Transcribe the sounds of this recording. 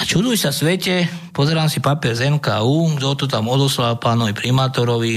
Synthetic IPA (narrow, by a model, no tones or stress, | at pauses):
at͡ʃud̪uːsasʋɛcɛ | pɔzɛɾaːmsipapiɛɾzɛmkaːuːɡd̪ɔt̪ɔt̪amɔd̪ɔslalpaːnɔʋipɾimaːt̪ɔɾɔʋi